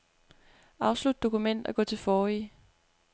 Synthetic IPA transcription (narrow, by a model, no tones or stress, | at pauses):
ʔɑ̈ʊslud̥̚ːo̝kumen̰d̥ɒɡ̥ɔ̰̽ːt͡sʰe̝fɒːi